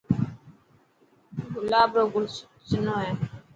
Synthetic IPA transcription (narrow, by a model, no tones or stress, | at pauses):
ɦʊlaːbɾoːɡʊl | sɪnõːɦeː